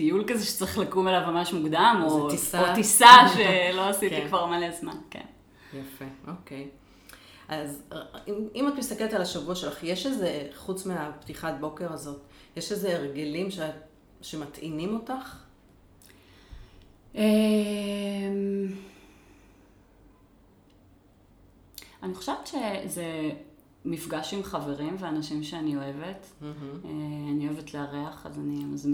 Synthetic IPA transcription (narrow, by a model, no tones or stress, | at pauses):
t̪ijulkazeʃe̥t͡seaχlakumelavmamaʃmuɡd̪amot̪isaot̪isaʃeloasitikvaʁmaleazma̰nkḛn | jafeʔo̞kej | ʔazimimat̪mist̪akelet̪alaʃavuaʃelaχjeʃezeχut͡smeaptiχat̚bo̞ke̞ʁazo̞tjeʃeze̞ːʁɡelimʃ | ʃe̞matʔinimo̞taχ | e | m | aniχḁʃevet̪ʃeze | mifɡaʃimχave̞ʁimveanaʃimʃeanio̞e̞ve̞teanioevetleaʁeaχa̰zanimaz